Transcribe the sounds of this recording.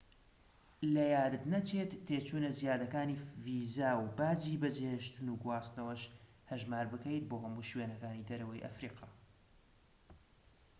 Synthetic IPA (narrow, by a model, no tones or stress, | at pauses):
lɐjaːd̪ɨt̪nɐt͡ʃʰeːt̪ʰːeːt͡ʃuːnɐzjaːd̪ɐkaːniːvizaːwbaːd͡ʒiːbɐd͡ʒeheʃt̪ɨnuɡuwaːst̪nɐwɐʃ | hɐʒmaːɾbɨkɐjt̪̚boːɦɐmuːʃweːnɐkaːnid̪ɐɾɐwɐjʔɐ̰fɾiːqʰɑː